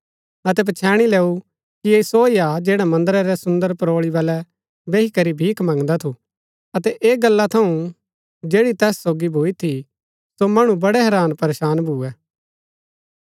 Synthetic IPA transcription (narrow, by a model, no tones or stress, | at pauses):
ɐt̪ɛp̬ɐt͡ʃʰɛːɽ̃ileːu | kiesoːiad͡ʒeːɽamɐ̃nd̪əɾaɾɛsʊ̃nd̪əɾpɐɾoːɭibɐlɛ | beːɦikɐɾibʱiːkʰmɐ̃ŋɡd̪at̪ʰu | ɐt̪ɛʔeːɡɐlːat̪ʰɐũ | d͡ʒeːɽit̪ɛːsːoːɡibʱoːit̪ʰi | somɐɽ̃ũbɐɽɛɦɛːɾaːnpɐɾeːʃaːnbʱuːɛː